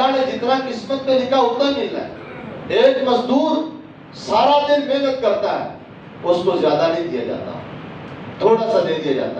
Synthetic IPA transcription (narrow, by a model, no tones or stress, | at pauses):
aned͡ʒɪt̪nakɪsmət̪mẽnɪkʰaɦot̪anila̰eːkmɐzd̪uːɾ | saːɾad̪ɪnbeːɡət̪̚kɐɾt̪aɦɛ̰ː | ʊskozjaːd̪anẽɦĩd̪ija̰d͡ʒa̰ːt̪a̰ɦɛt̪ʰoːɽasad̪eːd̪ijad͡ʒa̰ːt̪a